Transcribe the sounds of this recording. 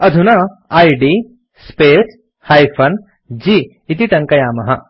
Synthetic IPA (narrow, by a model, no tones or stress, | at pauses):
ɐd̪ʱunɐaːjɖi | speːs | haːjfʰɐn | d͡ʒiː | it̪iʈ̪ɐŋkɐjaːmɐɦɐ